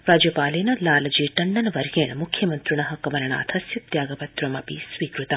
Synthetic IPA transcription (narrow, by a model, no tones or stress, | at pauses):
ɾaːd͡ʒjɐpaːleːnɐlaːlɐd͡ʒiːʈɐɳɖɐnʋɐɾjeːɳmukʰjɐmɐnt̪ɾuɳɐɦɐkɐʋɐɾɐɳa̰ːt̪ʰɐsjɐt̪̚d̪jaːɡɐpɐt̪ɾɐmɐpḭsʋiːkɾut̪ɐ